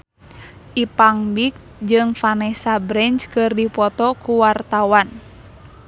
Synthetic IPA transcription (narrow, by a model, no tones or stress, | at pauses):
ʔipaŋbik̚ | d͡ʒɨŋfanɛsabɾɛɲt͡ʃkɨrdipɔt̪ɔkuwart̪awan